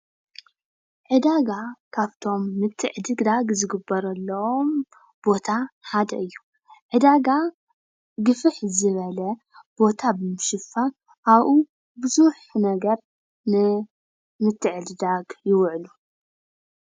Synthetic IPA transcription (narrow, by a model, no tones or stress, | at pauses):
ʕɨd̪aɡakʰaβt̪ʰo̞mːɨt̪ʰːɨʕɨd̪ɨɡd̪aɡzɨɡɨbːɐɾɐlːɐwom | b̥o̞t̪ʰaħad̪ɐ̰ʔɨjːu | ʕɨd̪aɡa | ɡɨfɨħzɨβɐlɐ | b̥o̞t̪ʰabɨmɨʃɨfa | ʔaβʔu | bɨzuħnɐɡɐɾ | nɨ | mɨt̪ʰːɨʕɨd̪ɨd̪aɡjɪwʕlu